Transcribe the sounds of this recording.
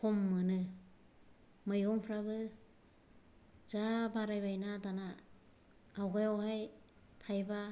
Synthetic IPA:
kʰɔmːɯnɯ | mɯjɔŋpʰɾaβɯ | zabaɾajβajnadanaː | wɡajawhaj | tʰajba

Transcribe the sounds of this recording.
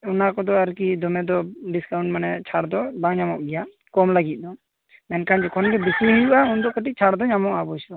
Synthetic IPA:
ɔnakɔd̪ɔaɾkid̪ɔmɛd̪ɔɖiskawɳʈ̚manɛt͡ʃʰaɽd̪ɔbaŋɲamɔʔbɛja | kɔmlaɡit̪̚ˀd̪ɔ | mɛnkand͡ʒɛkʰɔnɡɛbisɾiɦɛjuʔaund̪ɔkɔʈic̚t͡ʃʰaɽd̪ɔɲamɔʔabɔsɔ

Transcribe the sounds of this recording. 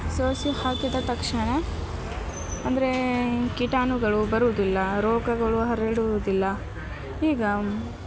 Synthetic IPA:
soːsihaːkid̪ɐt̪ɐkʂɐɳɐ | ɐnd̪ɐɾe̞kiʈaːnuɡɐɭubɐɾuʋd̪ilːɐɾoːɡɐɡɐɭuɦɐɾeɽud̪ilːɐ | iːɡɐ

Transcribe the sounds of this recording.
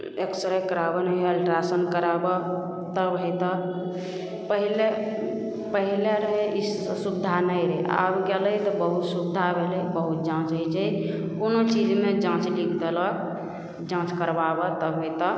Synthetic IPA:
eksəɾəkəɾabənəəlʈɾasənkəɾabə | t̪əbɦəjt̪ɔ | pəɦile | pəɦileɾəɦei | subd̪ʱanəjɾəɦḛa̰bɡɛləjt̪ɔbəɦut̪subd̪ʱabʱelejbəɦut̪̚d͡ʒãt͡ʃət͡ʃəj | konot͡ʃid͡ʒmed͡ʒãt͡ʃlikʰd̪elɔ | d͡ʒãt͡ʃkəɾbabət̪əbɦojt̪ɔ

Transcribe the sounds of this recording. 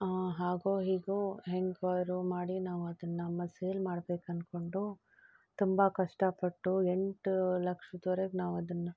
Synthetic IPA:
aɦaːɡoːɦiːɡuɦeŋɡʋaːɾumaːɽinaːʋuɐd̪ɐnːɐɐmːɐseːlmaːɽbeːkɐnko̞ɳɖu | t̪umbɐkɐʂʈɐpɐʈːue̞ɳʈlɐkʂɐt̪ɔɾeɡnaːʋɐd̪ɐnːɐ

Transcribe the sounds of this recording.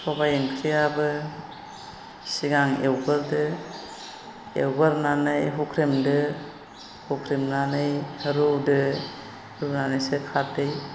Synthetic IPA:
sʰɔbajenkʰɾijabɯ | siɡaŋewɡɯɾdɯ | ḛwɡɯɾnanɯjɦukʰɾimdɯ | hukʰɾimnanɯjhɾudɯ | hɾunanɯsekʰat̚dɯj

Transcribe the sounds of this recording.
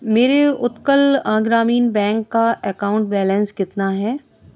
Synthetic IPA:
meːɾeʊt̪kəlãːɡɾaːmiːnbɛ̃ːŋkːaʔɛkaːʊ̃ɳʈbɛːlə̃nskɪt̪naɦɛː

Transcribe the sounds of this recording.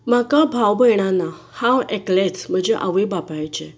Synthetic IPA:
makabʱawbəjɳ̃ana | hãeklet͡sm̤əd͡ʑeʔa̰ʋibapajt͡ɕẽ

